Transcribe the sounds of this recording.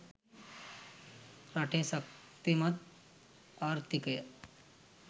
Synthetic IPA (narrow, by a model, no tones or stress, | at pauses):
ɾaʈʰẽsək̚ | t̪imɐt̪ | aɾt̪ikəj